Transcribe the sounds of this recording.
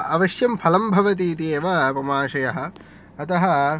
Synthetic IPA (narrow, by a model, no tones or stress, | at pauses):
ɐʋɐʃjɐmpʰɐlɐmbʱɐʋɐt̪̬iːt̪eːʋɐpɐmaːʃɐjɐɦɐ̆ː | t̪ɐɦɐ